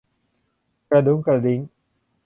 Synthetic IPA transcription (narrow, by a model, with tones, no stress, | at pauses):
kɾa˧du˨˦ŋkɾa˨˧di˨˦ŋ